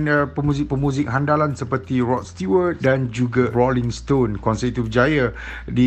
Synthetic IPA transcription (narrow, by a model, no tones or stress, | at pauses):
nəpəmũzɪk̚pəmũzɪk̚ɦandalansəpərt̪irɔt̪̚st̪uwət̪̚dand͡ʒuɡarɔlĩŋst̪onkɔnsəit̪ubəd͡ʒaja | di